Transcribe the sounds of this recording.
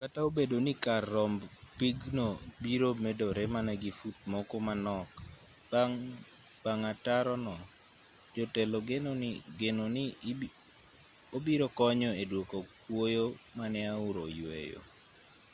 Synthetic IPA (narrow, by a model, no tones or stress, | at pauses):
kataobedonikarːɔmbpiɡnobiɾomedoɾɛmanɛɡifut̪̚mɔkɔmanɔk | ŋ | b̥aŋataɾɔnɔd͡ʒɔtɛloɡenonɡenoni | obiɾokɔɲɔedwokok̚wojomanɛaʊɾojwḛjo̰